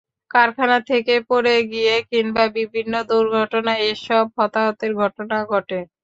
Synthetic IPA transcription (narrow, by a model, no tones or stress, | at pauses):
kaɾkʰanat̪ʰekepoɾeɡijekinbabibʱinːod̪uɾɡʱɔʈonaeʃɔb̚ɦɔt̪aɦot̪eɾɡʱɔʈonaɡʱɔʈe